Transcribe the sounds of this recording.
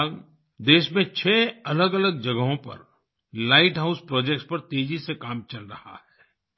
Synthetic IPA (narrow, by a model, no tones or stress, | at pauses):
l | d̪eːʃmẽt͡ʃʰɛːɐləɡɐləɡ̚d͡ʒɐɡəɦõpɐ̰ɾ | laːɪʈɦaʊspɾɔːd͡ʒek̚ʈspɐɾt̪eːd͡ʒisekaːmt͡ʃɐlɾɐha̰hɛː